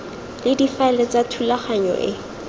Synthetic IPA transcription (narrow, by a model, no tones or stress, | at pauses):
lɪdifaɛlɛt͡satʰulaχaɲɔ̰ʔɪ̰